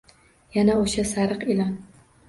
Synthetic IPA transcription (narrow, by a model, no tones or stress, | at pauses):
janaoʃasaɾɨqɪlɒn